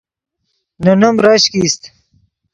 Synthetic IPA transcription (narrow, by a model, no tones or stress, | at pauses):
nunumɾɐɕkist̪